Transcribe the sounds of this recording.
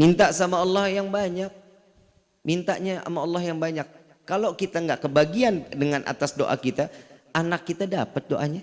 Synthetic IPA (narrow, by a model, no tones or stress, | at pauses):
mint̪aʔsamaɑlːɑhjaŋbaɲak̚ | mint̪a̰ʔɲaa̰maɑlːɑhjaŋbaɲakː | alokit̪aŋɡaʔkəbaɡiandəŋanʔa̰t̪asdo̰ʔa̰kit̪aanakːit̪adapət̪̚doʔaɲa